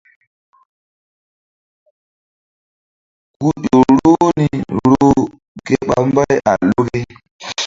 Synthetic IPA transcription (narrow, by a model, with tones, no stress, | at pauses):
ku˦ɗo˨ɾo˦ni˨ɾo˦ | ɡe˦ɓa̰˨mba˦jʔa˨lo˦ɡe˦